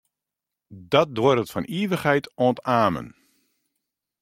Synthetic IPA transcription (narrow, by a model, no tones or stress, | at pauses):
dɔt̚dʊrətfɔnʔiəʋəχhɛjtontaːmə̰n